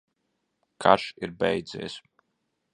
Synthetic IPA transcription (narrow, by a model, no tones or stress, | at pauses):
kʰaɾʃiɾbɛjd̪zʲɛ̰ːs